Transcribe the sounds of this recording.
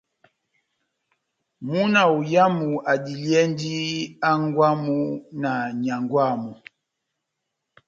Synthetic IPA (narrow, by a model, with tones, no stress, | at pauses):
mu˦na˨u˨ja˦mu˨a˨di˨ljɛ˦ndi˦a˦ŋɡwa˦mu˦na˨ɲa˨ŋɡwa˦˨mu˨